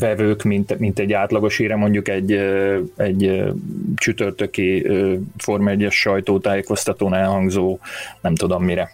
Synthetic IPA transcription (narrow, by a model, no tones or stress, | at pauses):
vɛvøːkmint̪mint̪ɛɟːaːt̪lɒɡo̞ʃhiːɾɛmo̞ɲɟukɛɟːɛɟ | t͡ʃyt̪ørt̪ø̞kiøfo̞rmɛɟːɛʃːɒjt̪oːt̪aːjeko̞st̪ɒt̪oːnɛlɦɒŋɡzoːnɛmt̪ud̪o̞mːiɾɛ